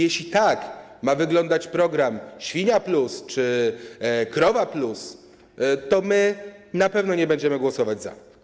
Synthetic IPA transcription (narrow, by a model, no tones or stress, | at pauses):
jɛɕlʲit̪akmavɘɡlɔnd̪at͡ɕpɾɔɡɾamɕfʲiɲaplust͡ʂɘ | kɾɔvaplus | t̪ɔmɘnapɛvnɔɲɛbɛɲd͡ʑɛmɘɡwɔsɔvad͡ʑza̰